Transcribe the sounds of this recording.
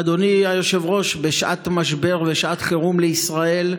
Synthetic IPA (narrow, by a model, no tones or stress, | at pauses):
ad̪o̞niajo̞ʃe̞vʁo̞ʃbeʃʔa̰t̪maʃbe̞ʁveʃʔat̪χeʁumleisʁae̞l